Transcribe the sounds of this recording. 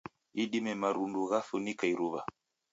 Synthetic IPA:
iɗimɛmaɾunduɣaθunikaiɾuβa̰

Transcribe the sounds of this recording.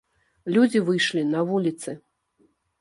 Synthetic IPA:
lʲud͡zʲivɨjʂlʲinɐvulʲit̪sɨ

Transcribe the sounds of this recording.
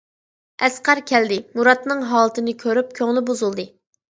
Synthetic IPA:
ɛsqɑɾkʲʰɛld̪ɪmuɾɑt̪nɨŋɦɑːlˠɨt̪ʰɨnɨkʲʰøɾyp̚kʲʰøŋlˠɪbozulˠd̪ɨ

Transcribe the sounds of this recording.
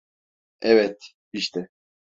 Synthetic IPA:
ɛvɛt̪ | iʃt̪ʰɛ

